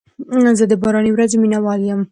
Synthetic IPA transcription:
zəd̪əbɑɾɑniwɾazeminawɑljəm

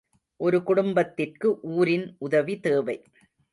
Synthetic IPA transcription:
ʔɔɾɯkʊɽʊmbɐt̪ːɪrkɯʔuːɾɪnʊðɐʋit̪eːʋɐɪ

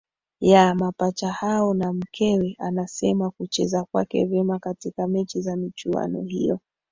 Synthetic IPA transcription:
jamapat͡ʃahaɔnam̩kʰɛwɛʔanasɛmakut͡ʃɛzakwa̰kɛ̰vɛmakatikamɛt͡ʃizamit͡ʃua̰nɔ̰hḭjɔ

